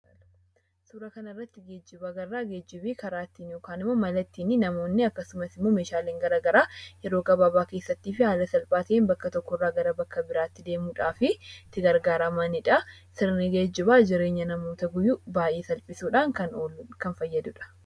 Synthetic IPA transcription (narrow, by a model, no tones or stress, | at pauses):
suːɾɐkɐnɐɪrːɐt̪ːɪɡeːd͡ʒːɪbɐɡɐrːaːɡeːd͡ʒːɪbiːkɐɾaːt̪ːiːnjoːkaːnɪmːomɐlɐt̪ːiːnɪnɐmo̞ːnːɪɐkːɐsʊmɐsɪmːo̞ːmeːʃaːleːŋɡɐɾaːɡɐɾaːjɛɾo̞ːɡɐbaːbaːke̞ːsːɐt̪ːiːfɪhaːlɐsɐlpʼaːt̪ɐeːnbɐkːɐt̪ɔkːɔrːaːɡɐɾɐbɐkːɐbɪɾaːt̪ːɪd̪e̞ːmuːᶑaːfɪt̪ːɪɡɐɾɡaːɾɐmanɪᶑɐ | sɪɾnɪɡeːd͡ʒːɪbaːd͡ʒɪɾe̞ːɲːɐnɐmoːt̪ɐɡʊjːʊbaːʔeːsɐlpʼɪsuːᶑaːŋkɐnoːkɐnfɐjːɐd̪ʊᶑɐ̥